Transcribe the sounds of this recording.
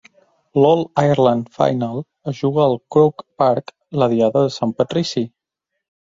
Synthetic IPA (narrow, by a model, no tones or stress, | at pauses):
lɔlˠajəɾland̪fa̰jnalˠ | əzʒuɣəːlˠkɾokpaɾk | ləðiaðəðəsampət̪ɾisi